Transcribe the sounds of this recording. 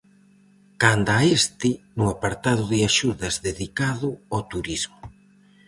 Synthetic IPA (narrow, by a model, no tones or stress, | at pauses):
kand̪aest̪ɪnʊapaɾt̪aðʊðɪaʃuðɐzðeðikaðʊot̪uɾizmʊ